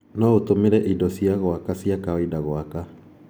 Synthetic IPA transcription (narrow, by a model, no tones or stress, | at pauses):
nɔotomeɾɛʔidɔsiaɣwakasiakaɔidaɣwaka